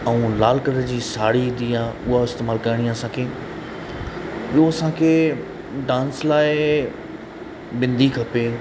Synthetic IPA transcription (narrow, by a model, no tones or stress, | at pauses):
ɐũlaːlkəɾəd͡ʑiːsaːɽid̪ijãʊɦaɪst̪eːmaːlkɐɪɽ̃ijãːsãːkʰeː | bɪoɐsãːkʰeː | ɖãːnslaːɪ | bɪ̃nd̪ʱikʰɐpe